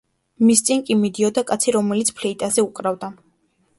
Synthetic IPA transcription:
mist̪sʼinkʼimid̪iɔd̪akʼat̪sʰiɾɔmɛlit̪sʰpʰlɛit̪ʼazɛuqʼɾavd̪a

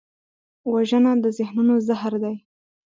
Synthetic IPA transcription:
waʒənad̪əzɪhnunozahɾd̪aj

